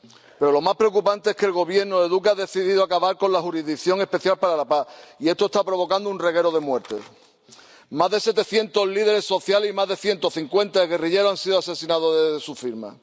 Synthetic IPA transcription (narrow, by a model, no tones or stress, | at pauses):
pe̞ɾo̞lo̞maspɾe̞okupant̪eeskelɣo̞βje̞ɾnoðeðukeaðe̞θiðiðoakaβaɾko̞nlaxuɾizðikθjo̞ŋe̞spe̞θjalpaɾalapaie̞st̪ost̪apɾo̞βo̞kand̪ounre̞ɣ̞e̞ɾoð̞e̞mwe̞ɾt̪e̞̰s | mazðe̞se̞t̪e̞θje̞nt̪o̞zlið̞e̞ɾe̞sːo̞θjalehimazðe̞θje̞nt̪o̞θiŋkwe̞nt̪aeɣe̞riʎe̞ɾoansiðoase̞sinaðo̞ðesufiɾma̰